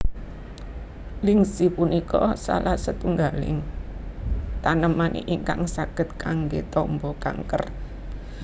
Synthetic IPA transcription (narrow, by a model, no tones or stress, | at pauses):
liŋsipunikɔsa̰lasət̪uŋɡalɪ̰ŋ | t̪anəmanʔḛʔiŋka̰ŋsaɡ̥ə̤t̪̚kaŋɡet̪ɔmbɔka̰ŋkər